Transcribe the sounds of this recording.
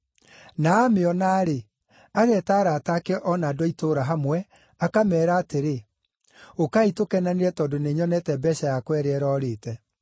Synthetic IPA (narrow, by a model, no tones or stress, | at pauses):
naːmeɔnaːɾe | aɣɛtaːɾaːtakeʔɔnaːdɔitoːɾaɦamwɛ | akamɛːɾaːteɾe | okaitokɛnaniɾɛtɔːdoneɲɔnɛtɛbɛɕajakwɛɾeɛɾɔːɾetɛ